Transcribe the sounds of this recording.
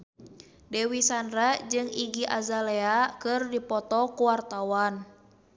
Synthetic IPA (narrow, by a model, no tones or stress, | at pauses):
dɛwisandrad͡ʒɨŋiɡiʔazalɛakɨrdipɔt̪ɔkuwart̪awan